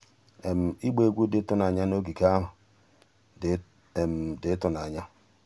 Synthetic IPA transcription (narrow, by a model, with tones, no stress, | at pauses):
e˨m̩˨i˦ɡ͡be˦˨ɡʷu˦dɪ˦tʊ˦na˨ɲa˦no˦ɡi˨ka˦ɦʊ˨ | m̩˨dɪ˨˦tʊ˨na˨ɲa˦